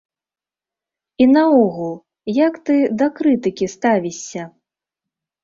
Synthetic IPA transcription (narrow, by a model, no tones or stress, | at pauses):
inɐɔɣulˠ | jɐkt̪ɨd̪ɐkɾɨt̪ɨkʲist̪avʲisʲːɐ